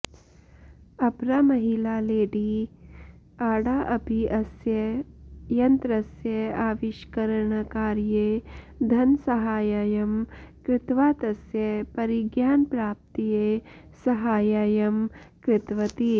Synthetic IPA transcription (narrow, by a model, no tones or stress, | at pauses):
ɐpɾaːmɐɦilaːleːɖi | aːɽaːʔɐbʱiʔɐsjɐ | jɐnt̪ɾɐsjɐaːʋɪʃkɐɾəɳkaːɾje | d̪ʱɐnsɐɦaːjaːjɐmkɾɪt̪ʋaːt̪ɐsjɐpɐɾiɡjaːnpɾaːp̚t̪ijesɐɦaːjaːjɐmkɾɪt̪ʋɐt̪i